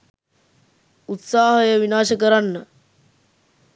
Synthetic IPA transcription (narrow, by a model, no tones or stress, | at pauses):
ut̪saːɦəjəʋinaːʃəkəɾanːə